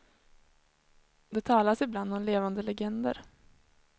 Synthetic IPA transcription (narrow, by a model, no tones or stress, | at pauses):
d̪ɛt̪ʰɑːlasɪbland̪ɔmleːvand̪əlɛɡɛnd̪ə̰ɾ